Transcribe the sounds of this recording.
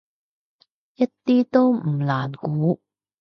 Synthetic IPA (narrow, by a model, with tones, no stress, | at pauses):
ʔɪ˦˥t̪ːi˦t̪o˥˦wm̩˨˩laː˨nkuː˨˦